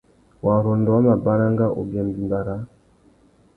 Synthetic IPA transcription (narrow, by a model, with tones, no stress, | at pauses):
wa˨ɾɔ˨ndɔ˨wa˦ma˨ba˦ɾa˦ŋɡa˦ʔo̰˨bɛ˨mbi˨ba˨ɾa˦